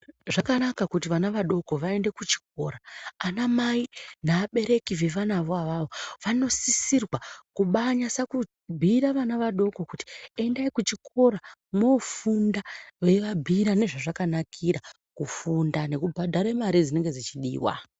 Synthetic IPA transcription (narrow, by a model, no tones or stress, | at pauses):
ʐakanakakutiʋanaʋaɗo̞ko̞ʋae̞nde̞kut͡ʃi̥k̚o̞ɾaːnamainaːɓe̞ɾe̞kiʋe̞ʋanaʋoaʋaʋo̞ʋano̞sisirwakuɓaɲasaku | bʱiɾaʋanaʋaɗo̞ko̞kuti̥e̞ndaikut͡ʃikʰo̞ɾamo̞fundaʋe̞ʋabʱiɾane̞ʐaʐakanakʰiɾa | kufundane̞kubʱadʱaɾemaɾid͡zine̞ŋɡe̞d͡zit͡ʃiɗḭːwa̰